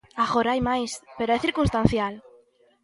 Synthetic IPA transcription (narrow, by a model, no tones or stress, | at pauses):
aɣoɾajmajspeɾoeθiɾkunst̪ãn̟θjal